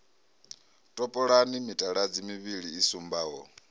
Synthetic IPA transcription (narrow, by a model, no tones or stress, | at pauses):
tʼɔpʼɔɺanimitʼaɺad͡zimiβiɺiːsumbaːɦɔ